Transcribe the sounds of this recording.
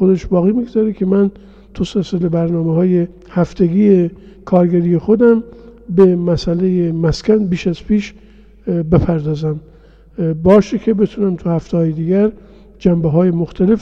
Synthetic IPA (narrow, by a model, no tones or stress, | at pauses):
xod̪eʃbɒːɣiːmiɡzɒːɾekʲʰe̞mæn | t̪ʰuselselebæɾnɒːmeɦɒːje | hæft̪ʰeɡiːjekʰɒːɾɡæɾijexod̪æmbe̞mæsælejemæskʲʰænbiːʃæzpʰiːʃ | be̞pʰæɾd̪ɒːzæm | bɒːʃekʰe̞be̞t̪ʰunæmt̪ʰuhæft̪ehɒːjed̪iːɡæɾ | d͡ʒæmbeɦɒːjemoxt̪ʰæle̞f